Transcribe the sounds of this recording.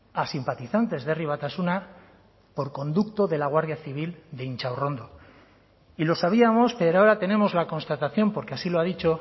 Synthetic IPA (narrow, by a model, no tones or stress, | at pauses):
asimpat̪iθant̪e̞zðe̞riβ̞at̪asuna | po̞ɾko̞nd̪ukt̪o̞ðe̞laɣ̞waɾðjaθiβ̞ild̪e̞int͡ʃawro̞nd̪o | ilo̞saβ̞iamo̞spe̞ɾoaoɾat̪e̞ne̞mo̞zlako̞nst̪at̪aθjo̞mpo̞ɾkeasiloaðit͡ʃo̞